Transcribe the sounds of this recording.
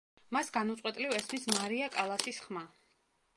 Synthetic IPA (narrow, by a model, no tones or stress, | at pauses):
masɡanut̪sʼwɛt̪ʼlivɛsmismaɾiakʼalˠasisχma